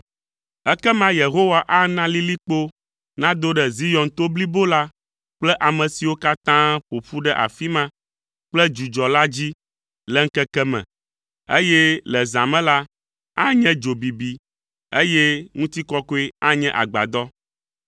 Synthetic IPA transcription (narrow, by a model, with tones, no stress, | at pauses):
ɛ˦kɛ˦mã˦je˨ɦo˦wa˨ʔa˦nã˦li˦li˦k͡po˦ | nã˦d̪o˦ɖɛ˨zi˦jɔ̃˨nt̪o˦bli˦bo˦la˦ | k͡plɛ˦ʔa˨mɛ̃˨si˨wo˦ka˦t̪ã˦ɸo˨ɸu˦ɖɛ˦ʔa̰˨fi˦mã˦ | k͡plɛ˦d͡ʒu˨d͡ʒɔ˨la˦d͡ʑi˦ | lɛ˦ŋ̩˦kɛ˦kɛ˦mɛ̰̃˨ | ḛ˦jɛ˦lɛ˨zã˨mɛ̃˦la˦ | a˦ɲɛ̃˦d͡ʒo˨bi˨bi˨ | e˦jɛ˦ŋũ˦t̪i˦kɔ˦ko˦e˦a˦ɲɛ̃˦ʔa̰˨ɡ͡ba̰˨d̪ɔ˦